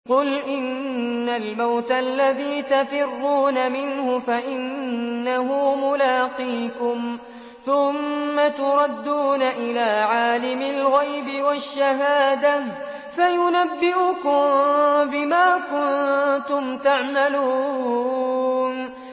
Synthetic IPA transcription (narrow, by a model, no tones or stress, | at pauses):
qʊlʔɪnːalmawt̪alːaðiːt̪afɪrːuːnamɪnhʊfaʔɪnːahʊmʊlaːqiːkʊm | θʊmːat̪ʊɾˤɑd̪ːuːnaʔɪlaːʕaːlɪmɪlɣajbɪwaʃːaɦaːd̪a | fajʊnabːɪʔʊkʊmbɪmaːkʊnt̪ʊmt̪aʕmaluː | n